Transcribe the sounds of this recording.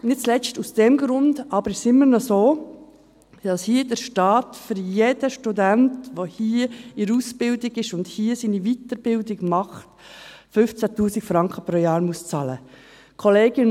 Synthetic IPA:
nɪtt͡slɛstusd̥ɛmɡɾʊndɑbəɾɪʃsɪmːəɾnɔsoː | d̥ɑshiːədəɾʃtɑːtfʏɾjed̥əʃtudæntʋohiːəɪɾuːsbɪldɪɡɪʃʊndhiːəsiːniviːtəɾb̥ɪldɪɡmɑχt | fʏft͡sætuːsikfɾɑŋkʰəpɾoːjɑːɾmuəst͡sɑːlə | kʰɔleːɡɪn

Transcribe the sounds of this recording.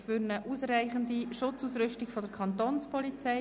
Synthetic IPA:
fʏɾnəʔuːsræɪχəndiʃʊt͡suːsɾʏʃtiɡfɔdəɾkʰχɑnt̪oːnspɔlit͡sɛɪ

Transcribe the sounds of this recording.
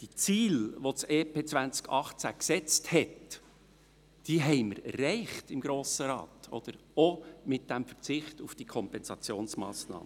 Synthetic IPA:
d̥it͡siːlʋot͡seːpʰeːt͡svænt͡skɑχt͡sæ̰ksɛt͡sthɛt | d̥iːɦɛɪməɾɛ̰rːɛɪχtɪmɡɾoːsəɾɑ̰ːtɔ̰d̥̪əɾomɪt̚d̥æmfərt͡sɪχtufd̥ikʰɔmpɛnsɑt͡sjoːnsmɑ̰ːsnɑ̰ːmə

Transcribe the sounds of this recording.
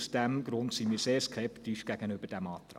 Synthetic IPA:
sd̥æmɡ̥ɾʊntsimiːseːɾskʰɛpt̪iʃɡ̥æɡənʏbəɾd̥æmɑːt̪ɾɑ̰

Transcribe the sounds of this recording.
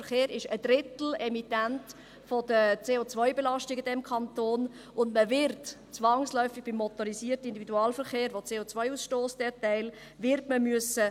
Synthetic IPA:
fəχeːɾɪʃəd̥ɾɪtl̩ɛmitænt | fodət͡seːot͡svœɪbelɑʃtɪɡidɛmkʰɑntoːn | ʊndməvɪɾt | t͡sʋɑŋslœʏfɪɡ̚b̥imːɔt̪oɾisiːərtəind̪ividuɑːlfəɾχeːɾʋot͡seːot͡sʋœɪusʃtoːsd̥ɛtæɪl | vɪɾtməmyəsə

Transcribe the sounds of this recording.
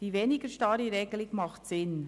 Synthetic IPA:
d̥iːveːnɪɡəɾʃtɑɾiɾeːɡlɪkmɑχtsɪn

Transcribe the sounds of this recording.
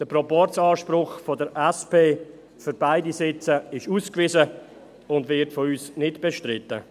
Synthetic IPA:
d̥əprɔpɔrtt͡sɑːʃpɾʊχfɔdəɾɛspeː | fyɾbaɪdisɪt͡səɪʃuːskvɪzə | ʊndvɪtfɔyːsnɪtb̥ɛʃtɾɪtːə̰

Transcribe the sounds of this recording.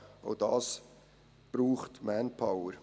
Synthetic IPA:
o̰d̥ɑːs | b̥ɾuːχtmænpʰaʊəɾ

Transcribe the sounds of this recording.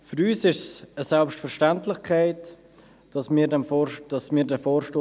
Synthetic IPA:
fʏɾyːsɪʃsəsɛlpʃtfəɾʃtantlɪχkʰaɪt | d̥ɑsmiːɾdɛmfd̥ɑsmiːɾdɛfoːɾʃtoː

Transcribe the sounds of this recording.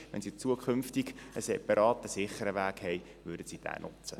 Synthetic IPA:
ʋɛ̰nsit͡suəkʰʏmftiɡəsɛpɑɾɑːt̪əsɪχːəɾəʋæːkhɛj | ʋʏːɾdəsid̥æ̰ːnʔʊ̰t͡sə

